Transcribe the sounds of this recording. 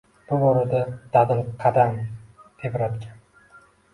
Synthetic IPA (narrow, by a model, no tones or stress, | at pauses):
b̥ʊboɾɪd̪ad̪̥ad̪ɪnqʰɑd̪amd̪̥epɾad̪ɡʲʰan